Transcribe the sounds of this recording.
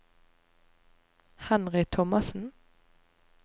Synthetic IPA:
hɑnʁɪt̪ʰɔmɑsn̩

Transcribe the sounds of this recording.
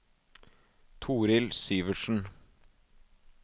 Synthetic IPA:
t̪ʰuːɾɪlsyːʋəʃn̩

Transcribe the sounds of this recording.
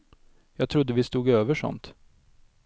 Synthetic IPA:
jɑːɡ̚t̪ʰɾʊd̪ːəvɪst̪uːɡøːvəʂɔ̰nt̪

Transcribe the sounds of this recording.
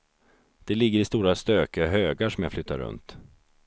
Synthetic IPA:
d̪̥ɛlɪɡːəɾɪst̪uːɾast̪øːkəɦøːɡaʂɔmjaflʏt̪ːa̰ɾɵ̰nt̪

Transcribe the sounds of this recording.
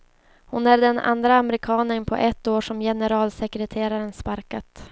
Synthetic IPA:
hʊnæɖ̪ɛna̰nd̪ɾaːmɾɪkʰɑːnənpʰɔ̰ʔɛt̪ːoːʂɔmjɛnəɾɑːlsɛkɾɛt̪ʰeːɾaɾənspaɾkat̪

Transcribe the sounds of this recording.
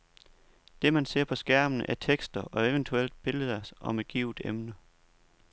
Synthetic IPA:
d̥e̝mænse̝ɐ̰pʰɒ̽sɡ̥æɐ̰mənəʔæɐt͡sʰeɡ̥sd̥ɐʔɒ̽eʋənt͡sʰuel̰d̥̚b̥e̝ləð̩ˠɐsʔɒ̽me̝d̥̚ɡ̥iʊd̥emnə

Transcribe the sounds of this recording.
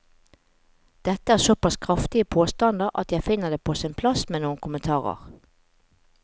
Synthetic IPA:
d̪̥ɛt̪ːəæːʁsɔpɑskʰʁɑft̪ɪəpʰoːst̪ɑnd̪əʁʔɑ̰t̪jæɪfɪnəd̪eːpʰoːsɪnpʰlɑsmeːnuːənkʰʊmənt̪ʰɑːʁə̰ʁ

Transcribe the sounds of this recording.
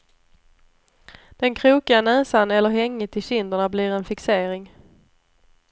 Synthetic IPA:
d̪̥ɛnkʰɾuːkɪanɛːsanɛlːəɾɦɛŋːət̪ʰɪɕɪnd̪əɳabliːɾɛnfɪkseːɾɪŋ

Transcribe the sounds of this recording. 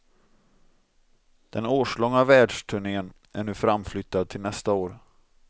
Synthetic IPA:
d̪̥ɛnoːʂɭɔŋːavæːɖʂʈʰɵɳeːən | ʔæɳʉ̟ːfɾamflʏt̪ʰːad̪̚t̪ʰɪlnɛst̪aoːɾ

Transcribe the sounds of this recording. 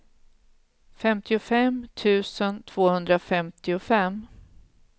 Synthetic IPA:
fɛmt̪ʰɪʊfɛmt̪ʰʉ̟ːsənt̪ʰv̥oːhɵnd̪ɾafɛmt̪ʰɪʊfɛm

